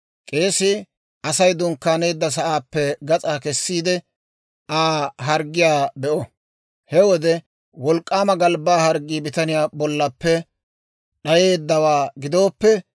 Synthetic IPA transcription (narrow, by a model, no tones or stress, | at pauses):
kʼe̞ːsɪ | ɐsɐjd̪ʊŋkːaːne̞ːd̪ːɐs̬ɐʔaːpːɛɡɐt͡sʼaːkɛsːiːd̪ɛ | ʔaːɦɐɾɡːɪjaːbɛʔɔ | hɛwɔd̪ɛ | wɔlkʼːaːmɐɡɐlbaːhɐɾɡːiːbɪt̪ɐnɪjaːbɔlːɐpːɛ | ɗɐje̞ːd̪ːɐwaːɡɪd̪o̞ːpːɛ